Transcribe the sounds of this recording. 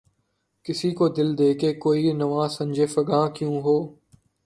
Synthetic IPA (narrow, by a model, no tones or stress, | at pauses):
kɪsiːkoːd̪ɪld̪eːkeːkoːiːnəʋãːsə̃md͡ʒʱeːfəɠãːkjũːɦoː